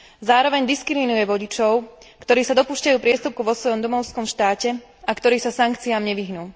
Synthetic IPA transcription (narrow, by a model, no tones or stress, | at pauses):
zaːɾɔʋɛɲd̪iskɾiminujɛʋɔɟit͡ʃɔʊ | kt̪ɔɾiːsad̪ɔpuːʃcajuːpɾɪɛst̪up̚kuʋɔsʋɔjɔmd̪ɔmɔʊskɔmʃt̪aːcɛ | akt̪ɔɾiːsasaŋkt͡siaːmɲɛʋiɦnuː